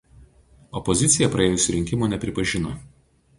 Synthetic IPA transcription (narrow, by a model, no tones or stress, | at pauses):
ɔpɔzʲɪt̪sʲɪjɛpɾɐeːjʊsʲʊɾʲɪŋʲkʲɪmoːnʲɛpʲɾʲɪpɐʒʲɪno